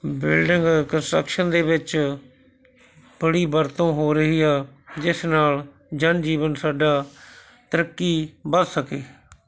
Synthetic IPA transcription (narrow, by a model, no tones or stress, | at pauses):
bɪlɖɪ̃ŋɡkənsʈə̰kʃənd̪eːʋɪt͡ʃ | b̥əɽiːbəɾt̪õːɦoːɾəɦiːaːd͡ʒɪsnaːl | d͡ʒənd͡ʒiːʋənsaːɖaː | t̪əɾəkːiːbədsəkeː